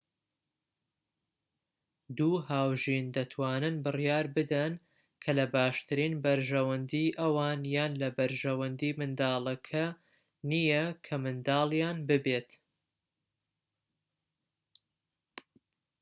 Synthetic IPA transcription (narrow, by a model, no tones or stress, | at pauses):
d̪uːɦaːwʒind̪ɐt̪ʰwaːnɨnbɨrjaːɾbɨd̪ɐn | kʰɐlɐbaːʃt̪ʰɨɾiːnbɐɾʒɐwɐnd̪iʔɐwaːnjaːnlɐbɐɾʒɐwɐnd̪iːmɨnd̪ɑːlˠɐkʰɐ | nijɐkʰɐmɨnd̪ɑːlˠjaːnbɨbeːt̪